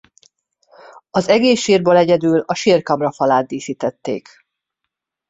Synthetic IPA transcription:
ɒzɛɡeːʃːiːrboːlɛɟɛd̪yːlɒʃiːrkɒmrɒfɒlaːd̪̚d̪iːʃiːt̪ɛt̪ːḛːk

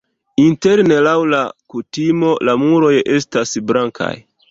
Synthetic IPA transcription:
inte̞ɾne̞lawlakutimo̞lamuɾo̞je̞stasblaŋkʰa̰j

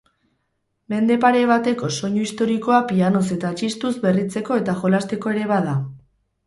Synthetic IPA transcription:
me̞nd̪e̞paɾe̞βat̪e̞ko̞so̞ɲoist̪o̞ɾiko̞apiano̞se̞t̪at͡ʃist̪uzbe̞rit͡se̞ko̞e̞t̪aʝo̞last̪e̞ko̞e̞ɾe̞βaða

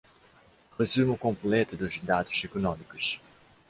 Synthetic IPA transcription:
ʁezumukõmplɛt̪ud̪uzd̪ad̪uz̥ekonɔ̃mikuʃ

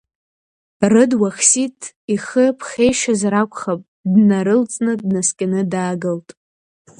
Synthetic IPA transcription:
rɨdwaχsitʰʼ | iχəpʰχʲe̞jʃazrakʷʰʼχapʼ | dnaɾɨlt͡sʼnɨdnaskʲʼanɨdaːɡɨltʼ

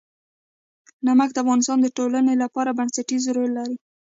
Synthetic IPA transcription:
namak̚d̪əafɣɑnɪst̪ɑnd̪əʈolanelapɑɾabansaʈizɾolaɾi

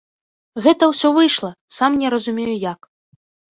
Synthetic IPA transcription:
ɣɛt̪ɐwsʲɔvɨjʂlˠɐsamnʲɛɾɐzumʲejujak

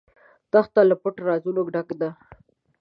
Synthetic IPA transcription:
t̪axt̪alapʊʈɾɑzunoɡɖakd̪a

